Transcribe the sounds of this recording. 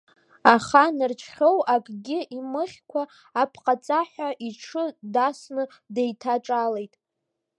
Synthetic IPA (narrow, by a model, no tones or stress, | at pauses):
aχanɨrt͡ʃʰχʲowʔakʼɡʲɪʔimɨχʲkʷʰaː | pʰqʼat͡sʼaħʷᶣaʔiʈ͡ʂʰɨdasnɨ | dejtʰaʈ͡ʂʼale̞jtʼ